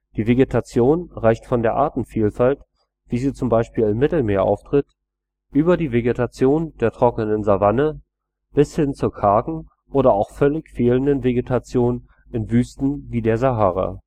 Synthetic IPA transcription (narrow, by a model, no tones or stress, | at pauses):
d̥iːveɡetʰat͡sjoːnʁaɪçtfɔndeːɐʔaɐtn̩fiːlfalt | v̥iːziːt͡sʊmbaɪʃpiːlɪmːɪtl̩meːɐʔa̰ʊftʁ̥ɪt | ʔyːbɐdiːveɡetʰat͡sjoːndeːɐtʁ̥ɔkənənzavanə | b̥ɪshɪnt͡suɐkʰaɐɡŋ̩ | ʔoːɾɐaʊxfœlɪçfeːləndənveɡetʰat͡sjoːnən | ɪnvyːstn̩viːdeːɐzaɦaːʁa̰